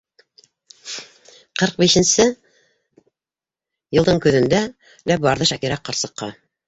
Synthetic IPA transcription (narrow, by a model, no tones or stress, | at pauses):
qɤɾq̚biʃɘ̆nsɘ | jɤ̆lˠd̪ɤɴkɵ̆ðɘ̆nd̪æ | læbɑɾðɤʃækiɾæqːɑ̆ɾsɤ̆qːɑ